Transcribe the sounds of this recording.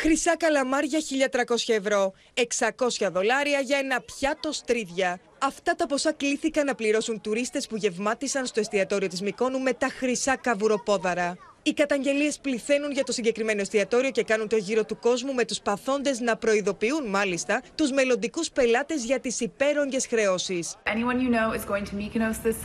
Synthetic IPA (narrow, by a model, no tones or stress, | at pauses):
xɾisɐkɐlɐmɐɾʝɐçiʎɐt̪ɾɐko̞sçɐe̞vɾo̞ | e̞ksɐko̞sçɐðo̞lɐɾiɐʝɐe̞nɐpçɐt̪o̞st̪ɾiðʝɐ | ɐft̪ɐt̪ɐpo̞sɐkliθikɐnɐpliɾo̞sunt̪uɾist̪e̞spuʝe̞vmɐt̪isɐnst̪o̞est̪iɐt̪o̞ɾio̞t̪izmiko̞nume̞t̪ɐxɾisɐkɐvuɾo̞po̞ðɐɾɐ | ikɐt̪ɐɲɟe̞lie̞spliθe̞nunʝɐt̪o̞siɲɟe̞kɾime̞no̞st̪iɐt̪o̞ɾio̞ce̞kɐnunt̪o̞ʝiɾo̞t̪uko̞zmume̞t̪uspɐθo̞nd̪e̞znɐpɾo̞iðo̞piunmɐlist̪ɐt̪uzme̞lo̞nd̪ikuspe̞lɐt̪e̞zʝɐt̪isipe̞ɾo̞ɲɟe̞sxɾe̞o̞sisʔɛniwʌ̃njɨnoʊɪzɡoʊɪ̃ŋtʰəmiknoʊsðɪs